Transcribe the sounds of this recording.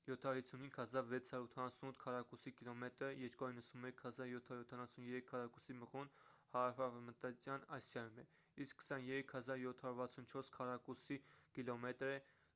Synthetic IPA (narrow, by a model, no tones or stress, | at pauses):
jɔt̪ʰɑjuɾhit͡sʰunhiŋɡhɑzɑɾvɛt͡sʰhɑɾut̪ʰɑnɑsunut̪ʰkʰɑrɑkusikilɔmɛt̪ɾəjɛɾkɔinːəsunmɛkʰhɑzɑɾjɔt̪ʰɑjut̪ʰɑnɑsunjɛɾɛkʰːɑrɑkusiməʁunhɑɾɑfɑvmət̪ɑt͡sjɑnɑsjɑjumɛ | iskkʰːə̥sɑnjɛɾɛkʰhɑzɑɾjɔt̪ʰhɑɾuɾvɑt͡sʰunt͡ʃʰɔɾskʰɑrɑkusikilɔmɛt̪ɾɛ